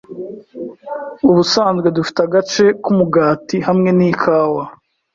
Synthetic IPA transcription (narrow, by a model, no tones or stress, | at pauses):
uβusaːnzɡwe̞dufi̥taɡat͡ʃe̞kumuɡaːtihamŋe̞nikʰaːwa